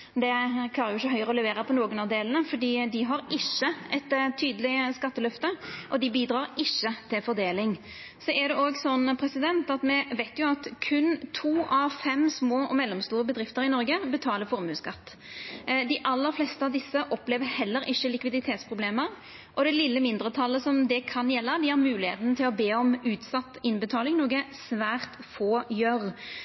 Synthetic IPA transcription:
d̪ɛkʰlɑːɾəjʊɪçːəɦœʏʁəɔlɛʋeːɾəpʰɔnoːɡənɑʋd̪eːlənəfɔɖiːd̪ɪɦɑɾɪçːəɛt̪t̪ʰːyːd̪əlɪskɑt̪ːəlœft̪əʔɔd̪ɪbiːd̪ɾɑːɾɪçːət̪ʰɪlfɔɾd̪eːlɪŋ | sɔʔɛd̪ɛʔoːɡsɔnːpʰɾɛsɪd̪ɛnt̪ɑt̪mɛʋæɪt̪jʊɑt̪kʰʉnt̪ʰuːɑʋfɛmsmoːʔɔmɛlːɔmst̪uːʁəbəd̪ɾɪft̪əɾɪnɔɾɡəbət̪ʰɑːləfɔɾmʉːskɑt̪ː | d̪ɪʔɑlːəɾflɛst̪əɑʋd̪ɪsːəʔɔpleːʋəhɛlːəɾʔɪçːəlɪkʋɪd̪ɪt̪ʰeːt̪spʰʁʊbleːməɾ | ʔɔd̪ɛlɪlːəmɪnd̪ɾət̪ʰɑlːəsɔmd̪ɛkʰɑnjɛlːəd̪ɪhɑɾmʉːlɪhḛːt̪ənt̪ʰɪlɔbeːɔmʉːt̪sɑt̪ːɪnbət̪ʰɑːlɪŋnuːɡəsʋæːʁt̪foːjœɾ

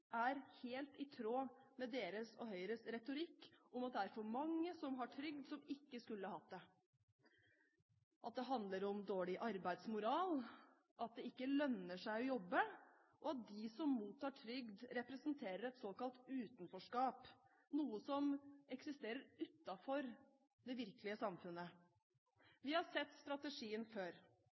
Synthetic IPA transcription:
æɾheːlt̪ɪt̪ʰɾoːmɛd̪eːɾəsɔ̰ɦœʏɾəsɾɛt̪ʊɾɪkːʊmɑt̪̚d̪ɛæɾfɔɾmɑŋːəsɔmɦɑʈʰɾʏɡ̚d̪sɔmɪkːəskʉlːəhɑhɑt̪̚d̪ɛ | ʔɑt̪̚d̪ɛɦɑnd̪ləɾɔmd̪oːɭɪʔɑɾbæɪd̪smʊɾɑːl | ʔɑt̪̚d̪ɛɪkːəlœnːəʂæɪɔjɔbːə | ʔɔɑt̪̚d̪ɪsɔmmuːt̪ʰːɑːʈʰɾʏɡd̪ɾɛpɾəsənt̪ʰeːɾəɾɛt̪soːkɑlt̪ʉːt̪nfɔʂkɑːp | nuːəsɔmɛksɪst̪eːɾəɾʉt̪ːɑfɔɾ | d̪ɛʋɪɾkəlɪəsɑmfʉnːə | ʋɪhɑsɛt̪ːst̪ɾɑt̪əʂiːənføːɾ

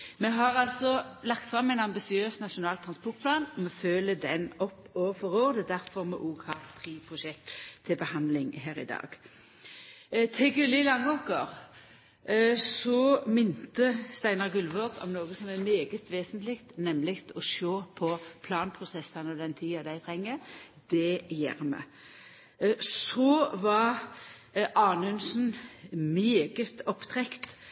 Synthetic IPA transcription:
mɛɦɑʁɑlsɔlɑkt̪fʁɑmːæɪnɑmbɪsɪøːsnɑʃʊnɑːlt̪ʰʁɑnspɔt̪̚pʰlɑːnɔmɛføːləd̪ɛnɔpːɔfɔʁoːʁd̪əd̪æʁfɔʁmɛ̰ːʔoːɡhɑːʁt̪ʰʁiːpʰʁʊʃɛk̚t̪ʰːɪlbəhɑnd̪lɪŋɦæːʁɪ̰d̪ɑ̰ːɡ̥ | t̪ʰɪɡʉlɪlɑŋːoːkəʁ | sɔmɪnt̪əst̪æɪnɑʁɡʉlʋɔʁd̪ɔ̰mnoːɡəsɔmɛmeːɡət̪ʰʋeːsənt̪lɪkt̪nɛmlɪkt̪ɔʃoːpʰɔpʰlɑːnpʰʁʊsɛsːɑnɔd̪ɛnt̪ʰiːɑd̪æɪt̪ʰʁɛŋːə | d̪̥ɛjæ̰ːʁmɛ̰ | sɔʋɑ | ʔɑːnəʉnsnmeːɡət̪ɔpt̪ʰʁɛkt̪

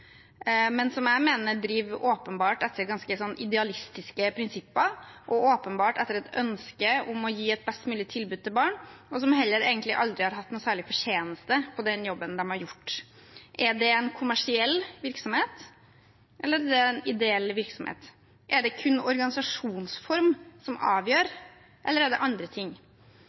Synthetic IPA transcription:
mɛnsɔmjæɪmeːnəd̪ɾiːʋoːpənbɑːʈɛt̪ʰːəɾɡɑnskəsɔnːɪd̪ɛɑlɪst̪ɪskəpʰɾɪnsɪpːəʔɔoːpənbɑːʈɛt̪ːəɾɛt̪œnskəʊmɔjiːɛt̪̚bɛst̪mʉːlɪt̪ʰɪlbʉːd̪̚t̪ʰɪlbɑːɳɔsɔmhɛlːəɾḛːɡənt̪lɪ̰ʔɑld̪ɾɪhɑɾɦɑt̪ːnuːsæːɭɪfɔʂeːnəst̪əpʰɔd̪ɛnjɔbːənd̪ɛmhɑɾjʊʈː | ʔɛɖɛɛnkʰʊmæʂɪɛlːʋɪɾksɔmheːt̪ | ʔɛlːəɾɖɛnɪd̪ɛɛlːʋɪɾksɔmhḛːt̪ | ʔɛɖɛkʰʉnːɔɾɡɑnɪsɑʂuːnsfɔɾmsɔmɑ̰ːʋjøːɾ | ʔɛlːəɾæɖɛ̰ʔɑnd̪ɾət̪ʰɪŋː

